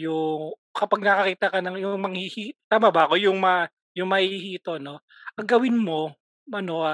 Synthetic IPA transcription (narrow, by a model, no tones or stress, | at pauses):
jʊŋkɐpɐɡ̚nɐkɐkiːt̪ɐkɐnɐŋjʊŋmɐŋhihiːt̪aːmɐbɐɐko̞jʊŋmɐ | jʊŋmɐhiːhiːt̪o̞no̞ | ʔɐŋɡɐwɪnmo̞ | ɐno̞ʔa